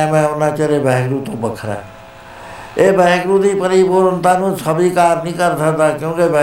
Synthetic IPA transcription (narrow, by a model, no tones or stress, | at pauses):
mɛ̃ːʊnãːt͡ʃəɾebɛːɡɾuːt̪õːbəkʰɾa̰ː | eːbɛ̃ːɡɾũːd̪iːpəɾiːpoːɾənt̪aːnũːsəbʱiːkaːɾnĩːkəɾsəkd̪aːkjõːkebɛ